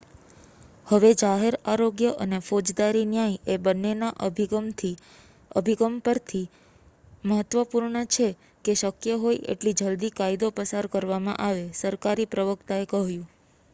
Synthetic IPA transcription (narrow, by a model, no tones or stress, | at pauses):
həʋed͡ʒaɦeɾaɾoɡjəʔənefod͡ʒd̪aɾinjajebənːenaʔɡmt̪ʰi | ə̰bʱiɡəmpəɾt̪ʰi | məɦət̪ʋəpuɾɳət͡ʃʰe | keʃəkjəɦojʔḛʈlid͡ʒəld̪ikaid̪opəsaɾkəɾʋamã̰ʔaʋesəɾkaɾipɾəʋəkt̪aekəɦjũ